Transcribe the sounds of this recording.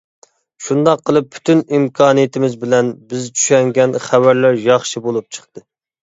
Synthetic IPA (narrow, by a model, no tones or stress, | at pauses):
ʃund̪ɑqʰːəlˠɨpːʰy̥t̪ʰynimkʰɑːnɨjet̪ʰɪmɪzbɪlɛnbɪzt͡ʃʰy̥ʃɛŋɡʲɛnχævæɾlæɾjɑχʃibolˠup̚t͡ʃʰə̥χt̪ɨ